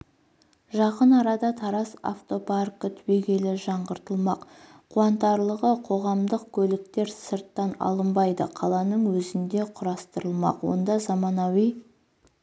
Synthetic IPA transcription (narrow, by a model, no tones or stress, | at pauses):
ʒɑqənɑɾɑd̪ɑt̪ʰɑɾɑsa̰ft̪o̞parkət̪ʰweɡʲe̞lɪʒɑɴʁəɾt̪əlˠmɑqʰ | ʊɑnt̪ɑɾlˠəʁəqʰo̞ʁɑmd̪əq̚kʲʰɵlɪk̚t̪e̞ɾsəɾt̪ːɑnɑ̰lˠəmbɑjd̪əqʰɑlˠɑnəɴwɵzɪnd̪e̞qʰʊɾɑst̪əɾəlˠmɑ̰qwo̞̰nd̪ɑzɑmɑnɑwij